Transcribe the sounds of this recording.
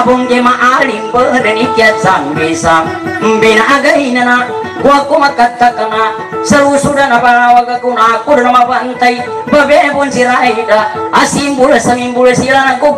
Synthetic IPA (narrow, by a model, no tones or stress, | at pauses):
bɔŋɡemaʔalimbədanikiat͡ʃambesamm̩bɛnaʔaɡainana | kuakumakat̪ːakana | səɾusudanabalawaɡakunaːkudanamapant̪ai | babɛʔepɔnsiɾaʔaidaːsimbulesamimbulesilanaɡu